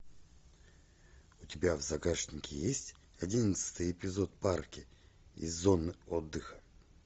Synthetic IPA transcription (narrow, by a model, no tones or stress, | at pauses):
ʊtʲɪbʲavzɐɡaʂnʲɪkʲɪjesʲtʲ | ɐdʲinət̪sɨ̥t̪ɨjɪpʲɪzot̪̚parkʲɪizːonɨod̪ːɨxə̥